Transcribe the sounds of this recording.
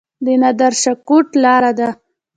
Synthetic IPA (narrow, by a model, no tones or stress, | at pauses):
d̪ənad̪aɾʃakoʈlɑɾad̪a